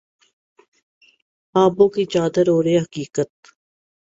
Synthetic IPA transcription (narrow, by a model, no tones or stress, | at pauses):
aːbõːkit͡ʃaːd̪əɾoːɾeɦəkiːkət̪